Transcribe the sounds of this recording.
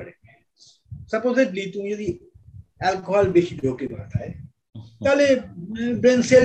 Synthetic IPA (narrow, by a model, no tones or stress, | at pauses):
əɽe | sɐpoːzɪʈlit̪ũjed̪i | ɛlkoɦɔːlbeʃibokema̰ːt̪a̰e | t̪aːlebɾẽnse